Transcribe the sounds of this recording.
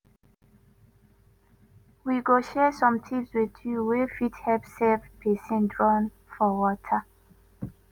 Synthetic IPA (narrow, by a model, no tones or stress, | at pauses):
wiɡoʃɛsɔ̃mtʰifswiðjuwefithɛpsɛvpʰɛsɛ̃ndɹɔ̃n | fɔwɔtʰa